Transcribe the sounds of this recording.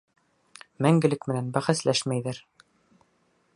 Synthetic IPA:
mæŋɡɘ̆lɘkmɘ̆nænbæχæslæʃmæjðɘɾ

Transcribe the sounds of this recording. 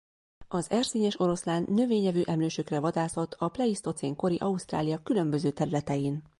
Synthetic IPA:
ɒzɛrsiːɲɛʃo̞ɾo̞slaːnːø̞veːɲɛvyːʔɛmløːʃøkrɛvɒd̪aːso̞lt̪ʰɒplɛist̪o̞t̪seːŋko̞ɾiʔɒust̪ra̰ːlijɒkylø̞mbø̞zøːt̪ɛɾylɛt̪ɛjiːn

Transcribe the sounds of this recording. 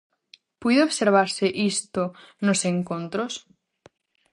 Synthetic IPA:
pujðeoβseɾβ̞aɾseʔist̪o | noseŋkõnt̪ɾos

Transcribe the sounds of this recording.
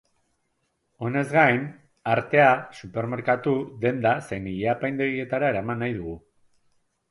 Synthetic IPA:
o̞ne̞zɡajn | aɾt̪e̞asupe̞ɾme̞ɾkat̪uðe̞nd̪asejniʎeapajnd̪eɾie̞t̪aɾae̞ɾamanːajðuɣu

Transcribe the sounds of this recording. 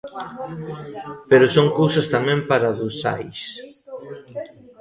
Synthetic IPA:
peɾʊsoŋkowsɐst̪amɛ̃mpaɾaðʊsa̰js

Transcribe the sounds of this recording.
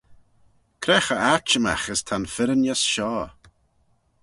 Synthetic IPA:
kʰɾɛxəat͡ʃəma̰xəst̪ʰanfɪɾənjasʃɔː

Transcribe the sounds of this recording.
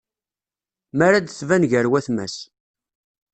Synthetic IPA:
mæɾad̪θvænʝəɾwæθmæ̰s

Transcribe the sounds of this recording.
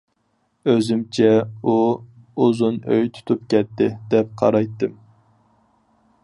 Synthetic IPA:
øzymt͡ʃʰɛu | uzunø̰jt̪ʰu̥t̪ʰup̚kʲʰɛt̪ːɪd̪ɛp̚qʰɑ̰ɾɑjt̪ːɨm

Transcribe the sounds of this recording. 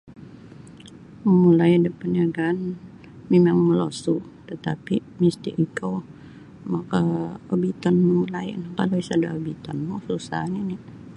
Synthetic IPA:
mulajdəpənaɡaːn | memaŋməlosu | t̪ət̪apimist̪ḭʔikow | makaobit̪ɔnmulajnkaloisada̰obit̪ɔnmususa̰hnini

